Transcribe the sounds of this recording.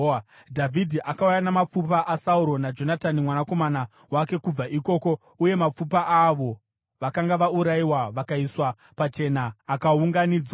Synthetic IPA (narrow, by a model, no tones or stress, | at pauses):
dʱavʱidʱiʔakaujanamap͡fup̬aʔasauɾo̞nad͡ʒo̞natanimwanako̞mana | wake̞kub͡vaʔiko̞ːko̞ | uje̞map͡fupaʔaʋo̞ | ʋakaŋɡaʋauɾaiwaʋakaiswa | pat͡ʃe̞naːkauŋɡaniːd͡zwa